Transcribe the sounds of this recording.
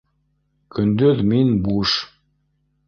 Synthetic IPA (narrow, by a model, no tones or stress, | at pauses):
kɵ̆nd̪øðminbuʃ